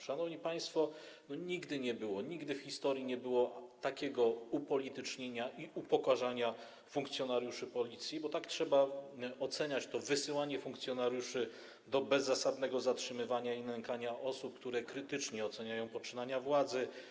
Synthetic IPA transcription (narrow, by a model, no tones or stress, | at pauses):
ʂanɔvɲipaj̃st̪fɔnɔɲiɡd̪ɘɲɛbɘwɔɲiɡd̪ɘfxʲist̪ɔɾjiɲɛbɘwɔt̪akʲɛɡɔupɔlʲit̪ɘt͡ʂɲeɲaʔiʔupɔkaʐaɲa | fuŋk̚t̪sʲjɔnaɾjuʂɘpɔlʲit̪sʲjibɔt̪aktʂɛbaɔt̪sɛɲat͡ɕt̪ɔvɘsɘwaɲɛfuŋkt̪sʲjɔnaɾjuʂɘ | d̪ɔbɛzːasad̪nɛɡɔzatʂɘmɘvaɲailɛŋkaɲaʔɔsup̚kt̪uɾɛkɾɘt̪ɘt͡ʂɲɛɔt̪sɛɲajɔ̃w̃pɔt͡ʂɘnaɲavwad̪zɘ